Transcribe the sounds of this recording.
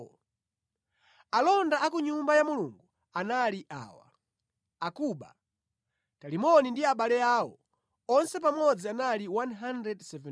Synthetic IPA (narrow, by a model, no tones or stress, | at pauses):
alɔndaakuɲumbajamuluŋɡu | analiʔa̰ːwa̰ | akuːɓa̰ | talimɔnindiaɓalɛaːwɔ̰ | ɔnsɛpamɔd͡zianaliwanɦandɾɛdsɛvɛ